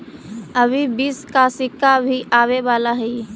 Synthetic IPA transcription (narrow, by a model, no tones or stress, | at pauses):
əbʱibiːskasɪkːabʱiʔaːweʋaːlaɦɛi